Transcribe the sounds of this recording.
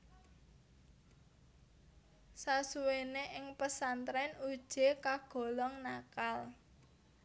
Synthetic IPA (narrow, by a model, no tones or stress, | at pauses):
sasuweneʔɪŋpəsant̪ɾɛnud̥ʒ̥e̤kaɡ̥ɔ̤lɔŋnakal